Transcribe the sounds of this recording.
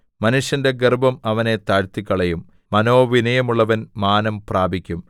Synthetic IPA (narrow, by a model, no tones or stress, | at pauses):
mɐnuʂjɐnde̞ɡerbɐmɐʋɐne̞t̪aːɻt̪ikʲːɐɭejumː | ɐno̞ːʋinɐjɐmuɭːɐʋɐnmaːnɐmpraːbʱikʲːum